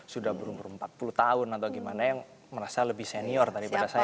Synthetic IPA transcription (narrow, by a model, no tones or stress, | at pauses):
sudahbəɾumbəɾumpat̪̚pulut̪aʊnat̪awɡimanajaŋ | məɾasaləbɪhseniɔrt̪adipadasaj